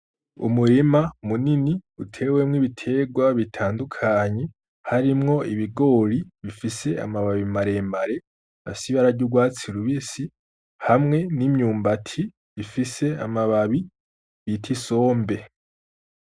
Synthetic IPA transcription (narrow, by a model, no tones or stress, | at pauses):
ṵmuɾimamuniniutʰe̞ːwemŋiβitʰe̞ɡwaβitʰaːndukʰaɲe̞ | haɾimŋo̞iβiɡo̞ːɾiβifise̞a̰maβaβimaɾe̞mbaɾe̞ | a̰siβaɾaɟuɡwaːt͡siɾuβisi | hamŋe̞nimɲuːmbatʰi | βifise̞a̰maβaβi | βitʰiso̞ːmbe̞